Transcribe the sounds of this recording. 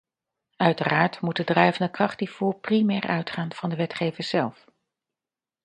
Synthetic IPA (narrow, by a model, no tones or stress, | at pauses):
œɥtəraːɹtmut̚dədrɛjvəndəkrɑχtiv̥uːɹprimɛːɹʔœ̰ɥtχaːnv̥ɑndəʋɛtχejvəɹz̥ɛlˠf